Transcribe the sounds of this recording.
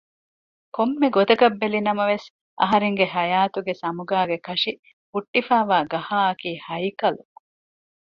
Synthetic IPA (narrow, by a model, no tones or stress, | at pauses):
komːeɡot̪ɐkɐbːelinɐmɐʋes | ʔɐ̰ɦɐɾeŋɡeɦɐjaːt̪uɡesɐmuɡaːɡekɐʂi | fuʈːifaːʋaːɡɐhaːɐkiːhɐjkɐlu